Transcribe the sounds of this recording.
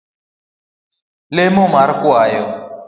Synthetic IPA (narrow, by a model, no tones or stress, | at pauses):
lɪmʊmaɾɪkwaːjɔ